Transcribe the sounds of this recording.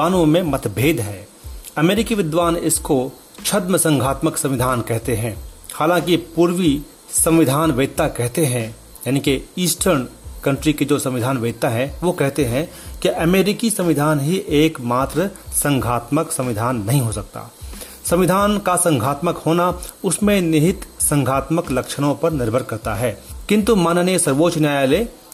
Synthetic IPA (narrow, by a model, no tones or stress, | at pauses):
aːnõmẽmɐt̪ʰbʱeːd̪ɦɛː | ɐmeːɾɪkiʋɪd̪ʋaːnɪsko | t͡ʃʰɐd̪məsə̃ŋɡʱaːt̪məksɐ̃mʋɪd̪ʱaːnkɛɦt̪eɦɛ̃haːlãːŋkipuːɾʋi | sɐ̃mʋɪd̪ʱaːnʋeːd̪̚t̪akɛɦt̪eɦɛ̃ | jaːnikeiːsʈʰəɾnkɐ̃ɳʈɾikid͡ʒoːsɐ̃mʋɪd̪ʱaːnʋeːd̪̚t̪aɦɛ̃ʋokɛɦt̪eɦɛ̃kiʔɐmeːɾɪkisɐ̃mʋɪd̪ʱaːnɦiʔeːkmaːt̪ɾəsɐ̃ŋɡʱaːt̪məksɐ̃mʋɪd̪ʱaːnːɐɦĩɦosɐk̚t̪a̰ː | sɐ̃mʋɪd̪ʱaːnkasɐ̃ŋɡʱaːt̪məkhoːnaʊsmẽnɪɦɪt̪sɐ̃ŋɡʱaːt̪məklɐkʃəɽ̃õpɐɾnɪɾbʱəɾkɐɾt̪aɦɛːkɪ̃nt̪umaːnəniesɐɾʋoːt͡ʃnjaːjaleː